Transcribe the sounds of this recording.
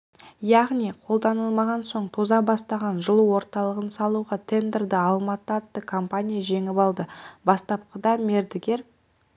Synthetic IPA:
jɑʁnijqʰo̞lˠd̪ɑnəlˠmɑʁɑnso̞ɴt̪ʰo̞zɑbɑst̪ɑʁɑnʒəlˠuwo̞ɾt̪ɑlˠəʁənsɑlˠuʁɑt̪ʰe̞nd̪eɾd̪ɪɑlˠmɑt̪əɑt̪ːəkʰompanʲijaʒe̞ŋɪpɑlˠd̪əbɑst̪ɑp̚qəd̪ɑme̞ɾd̪ɪɡʲe̞ɾ

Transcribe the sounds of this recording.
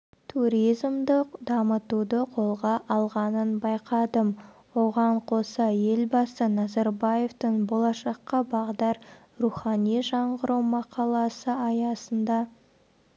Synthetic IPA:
t̪ʰuɾʲijzmd̪əqd̪ɑmət̪ud̪əqʰo̞lˠʁɑʔɑlˠʁɑnənbɑjqɑd̪əm | wo̞ʁɑɴqʰo̞sɑje̞lbɑsənɑzɑɾbɑje̞ft̪əɴbo̞lˠɑʃɑqːɑbɑʁd̪ɑɾ | ruχɑnijʒɑɴʁəɾʔəwmɑqʰɑlˠɑsəɑjɑsənd̪ɑ

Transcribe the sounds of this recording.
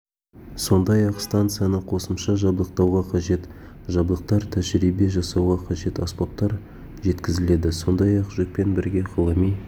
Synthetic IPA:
so̞nd̪ɑjɑqst̪ant̪sɨjanəqʰo̞səmʃɑʒɑblˠəq̚t̪ɑwʁɑqʰɑʒe̞t̪ | ʒɑblˠəq̚t̪ɑɾt̪ʰæʒɾibe̞ʒɑsɑwʁɑqʰɑʒe̞t̪ɑspop̚t̪ːɑɾ | ʒe̞t̪kʲɪzɪle̞d̪ɪso̞nd̪ɑjɑqʒek̚pe̞nbɪɾɡʲe̞qʰəlˠɑmij

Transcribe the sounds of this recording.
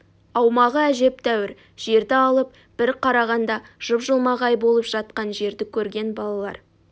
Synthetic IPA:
ɑwmɑʁəæʒe̞p̚t̪ʰæwɪɾ | ʒ̥e̞ɾd̪ɪɑlˠəp̚ | b̥ɪɾqʰɑɾɑʁɑnd̪ɑʒ̥ʊpʒəlˠmɑʁɑjbo̞lˠəpʒ̥ɑt̪̚qɑnʒe̞ɾd̪ɪkʲʰɵɾɡʲe̞nbɑlˠɑlˠɑ̰ɾ

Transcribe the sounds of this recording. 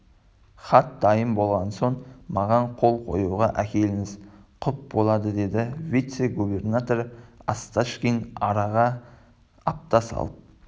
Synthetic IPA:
χɑt̪̚d̪ɑjəmbo̞lˠʁɑnso̞ɴmɑʁɑɴqʰo̞lˠqʰo̞̰juʁɑʔækʲe̞lɪŋɪzqʰʊp̚bo̞lˠɑd̪əd̪e̞d̪ɪvʲit̪se̞ɡube̞rnat̪o̞ɾast̪aʃkʲinɑɾɑʁɑ | ɑp̚t̪ɑsɑ̰lˠəp̚

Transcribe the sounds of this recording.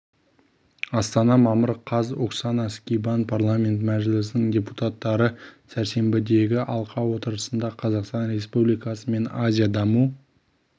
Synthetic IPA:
ɑst̪ɑnɑmɑməɾqʰɑzoksɑnɑskʲijbɑnpʰarlˠamʲe̞nt̪mæʒɪlɪsɪnɪŋdʲeput̪at̪ːɑɾəsæɾse̞mbɪd̪e̞ɡʲɪʔɑlˠqʰɑwo̞t̪əɾəsənd̪ɑqʰɑzɑqst̪ɑnɾe̞spublijkɑsəme̞nazʲijad̪ɑmu

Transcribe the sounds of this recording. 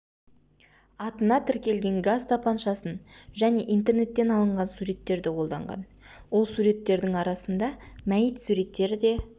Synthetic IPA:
ɑt̪ənɑt̪ʰɪɾkʲe̞lɡʲe̞ŋɡazt̪apɑnʃɑsənʒæne̞ʔijnt̪e̞rne̞t̪ːe̞nɑlˠəɴʁɑnsuɾe̞t̪ːe̞ɾd̪ɪqʰo̞lˠd̪ɑ̰ɴʁɑ̰n | wo̞lˠsuɾe̞t̪ːe̞ɾd̪ɪŋɑɾɑsənd̪ɑmæjɪt̪suɾe̞t̪ːe̞ɾɪd̪e̞

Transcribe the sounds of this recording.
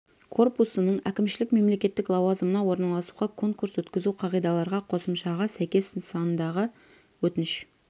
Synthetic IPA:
kʰo̞rpusənəɴækʲɪmʃɪlɪkme̞mle̞kʲe̞t̪ːɪklˠɑwɑzəmənɑwo̞ɾnɑlˠɑsuʁɑkʰo̞ŋkuɾswɵt̪kʲɪzuqʰɑʁijd̪ɑlˠɑɾʁɑqʰo̞səmʃɑʁɑsæjkʲe̞sənsɑnənd̪ɑʁə | wɵt̪ɪnɪʃ

